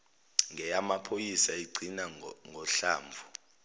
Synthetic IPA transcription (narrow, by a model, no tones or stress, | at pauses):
ŋʱɛjamapʰojisaiɡ͡ǀʱinaŋɡʱɔɬaːɱvʱu